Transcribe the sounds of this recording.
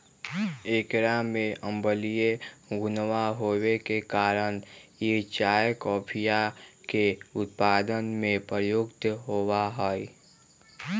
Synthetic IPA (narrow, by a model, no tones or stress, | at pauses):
eːkɾamẽə̃mbəlijeɡʊnwaɦoːwekekaːɾəñjet͡ʃaːjkɔːpʰijakeʊt̪̚paːd̪ənmẽpəɾjʊɡt̪ɦoːwaɦoːi